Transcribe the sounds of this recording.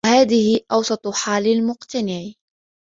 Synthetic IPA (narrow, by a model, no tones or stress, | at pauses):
haːðɪhɪʔɑwsˤɑt̪ˤħaːlɪlmʊqt̪anɪʕ